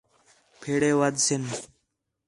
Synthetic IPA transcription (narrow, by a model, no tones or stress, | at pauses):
pʰeɽeːwɐd̪sin